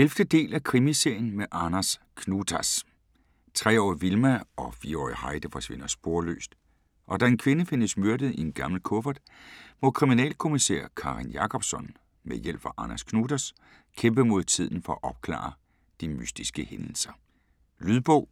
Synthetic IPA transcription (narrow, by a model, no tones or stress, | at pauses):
elfd̥əd̥e̝̰ːlækʰʁimise̝ɐ̰jənmeʔɑnæs | kʰnut͡sʰæs | t͡sʰʁɛ̰ːɒ̰ːiʋilmæɒ̽fiːɐɒ̰ːihɑ̈ɪd̥əfɒ̽sʋe̝nɐsb̥o̝ɐlø̰ːsd̥ | ʔɒ̽d̥æe̝nkʰʋe̝nəfe̝nəsmøɐd̥ð̩ˠienɡ̥ɑ̈ml̩kʰɔ̽fɐd̥ | mɒ̽kʰʁiminɛ̰ːlkʰo̝misḛɐ̰kʰɑ̈ʁinjɑ̈kʰɒ̽b̥sɒ̽n | mejel̰b̥ɑʔɑnæskʰnuːt͡sʰæs | kʰemb̥əmo̝ð̞ˠt͡sʰið̞̰ˠn̩fɒ̽æʔɒ̽b̥̚kʰlɑ̰̈ː | d̥imysd̥isɡ̥əhenl̩sɐ | lyðˠb̥ɔ̰ʊ̰